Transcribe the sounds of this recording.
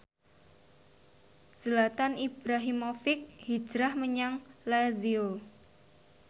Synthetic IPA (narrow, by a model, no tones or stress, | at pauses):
səlat̪anib̥ɾaɦimofɪk̚hi̥d͡ʒ̥ɾahməɲaŋlazio